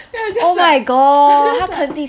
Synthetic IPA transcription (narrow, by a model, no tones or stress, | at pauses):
oʊmaɪɡɔhakʰənt̪i